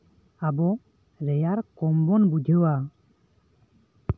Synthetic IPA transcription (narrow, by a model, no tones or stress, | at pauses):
abɔ | ɾɛjaɾkɔmbɔnbud͡ʒʱəwa